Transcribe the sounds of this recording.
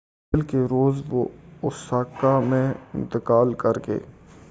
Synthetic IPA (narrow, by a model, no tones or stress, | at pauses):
lkeɾoːzʋo̰ʊsaːkamẽɪ̰̃nt̪ɪkaːlkɐɾɡḛː